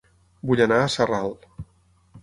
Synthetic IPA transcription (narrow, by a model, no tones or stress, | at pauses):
buʎənaəsəralˠ